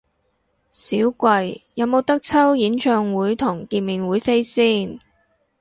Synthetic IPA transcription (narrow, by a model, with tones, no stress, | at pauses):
siː˨˥wkʷɐ˧jjɐ˨˧wmo˨˧wt̪ɐ˥k̚t͡sʰɐ˥wjiː˨˥nt͡ʃʰœː˧ŋwuː˨˥jt̪ʰʊ˨˩ŋkiː˧nmiː˨nwuː˨˥jfe˥jsiː˥˩n